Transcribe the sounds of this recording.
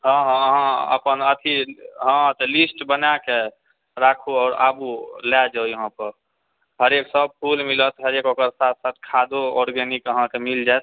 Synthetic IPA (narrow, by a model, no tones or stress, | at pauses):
ɦə̃ɦɦãə̰pənət̪ʰiɦə̃t̪ɔlisʈbənake | ɾakʰuɔːɾa̰bulad͡ʒəjəɦãpəɾ | ɦəɾeksəb̚pʰulmilət̪ɦəɾekokəɾsat̪̚ʰsat̪̚ʰkʰad̪oɔɾɡɛnikəɦãkemild͡ʒajt̪ʰ